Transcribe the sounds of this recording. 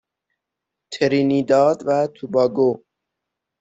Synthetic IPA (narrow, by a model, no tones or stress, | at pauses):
t̪ʰeɾiniːd̪ɒːd̪væt̪ʰubɒːɡo